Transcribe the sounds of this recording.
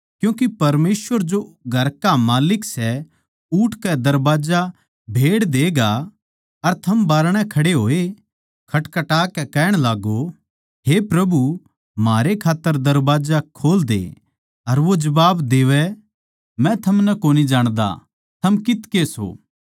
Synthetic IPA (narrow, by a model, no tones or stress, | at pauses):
kjũːk̬ipɐɾmeːsʋəɾd͡ʒoɡʱɐɾkamaːlɪksɛ | uːʈʰkɛd̪ɐɾbaːd͡ʒa | bʱeːɽd̪eːɡa | ɐɾt̪ʰɐmbaːɾɽ̃ɛkʰɐɽeɦoːe | kʰɐʈkɐʈaːkɛkɛːɽ̃laːɡo | ɦepɾɐbu | maːɾekʰaːt̪ːəɾd̪ɐɾbaːd͡ʒakʰoːld̪ḛ | ɐɾʋod͡ʒɐbaːbd̪eːʋɛ | mɛ̃t̪ʰɐmnɛkoːnid͡ʒaːɽ̃d̪a̰ | t̪ʰɐmkɪt̪keso̰ː